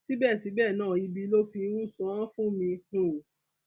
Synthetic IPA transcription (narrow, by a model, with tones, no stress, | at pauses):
ti˦bɛ˦˨ti˨˦bɛ˦˨nãː˦˨i˧bi˧lo˦fi˧˦wũ˦˨sɔ̃˦fũ˦mĩ˧hũ˨